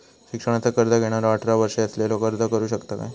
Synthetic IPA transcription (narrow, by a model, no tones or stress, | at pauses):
ɕikʂəɳ̃at͡sakəɾd̪aɡʱeɽ̃aɾʋaʈʰɾaʋəɾʂeəslelokəɾd̪akəɾuːɕəkt̪aka̰j